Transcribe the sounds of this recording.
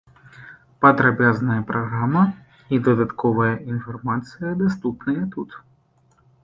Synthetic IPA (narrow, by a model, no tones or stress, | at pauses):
pɐd̪ɾabʲaznɐjɐpɾɐɣɾamɐ | id̪ɐd̪at̪kɔvɐjɐʔinfarmat̪sɨjɐd̪ast̪upnɨjɐt̪ut̪